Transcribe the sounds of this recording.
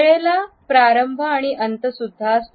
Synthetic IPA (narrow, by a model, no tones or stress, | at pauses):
ɭela | pɾaɾəmbʱəaɽ̃iʔənt̪əsud̪ʱːas